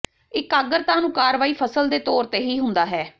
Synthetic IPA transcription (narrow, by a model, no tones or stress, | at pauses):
ɪkaːɡəɾt̪ãːnũːkaːɾʋaːiːpʰəsəld̪eːt̪ɔːɾt̪eːɦiːɦʊnd̪aːɦɛː